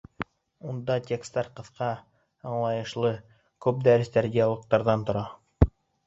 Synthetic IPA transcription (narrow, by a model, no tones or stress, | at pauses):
und̪ɑt̪ʲekst̪ɑɾqɤ̆θqɑ | ɑɴlˠɑjɤ̆ʃlˠɤ | kʉp̚d̪æɾɘ̆st̪æɾd̪ʲijɑlˠɤ̆q̚t̪ɑɾðɑnt̪ŏɾɑ